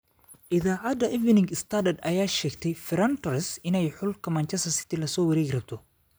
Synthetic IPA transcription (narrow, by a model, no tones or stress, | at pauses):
ʔɪðaːʕad̪ɐʔɪvnɪŋɡɪst̪ʰadɐd̪ɐjaːʃɛːɡt̪ʰɛjfɪɾɐnt̪ɐɾɪsɪnɛjħʊlkʰɐmaːnt͡ʃɛst̪ɐsɪ̥t̪ʰɪlɐsɔːwɐɾɛːɡrɐb̚t̪ʰɔ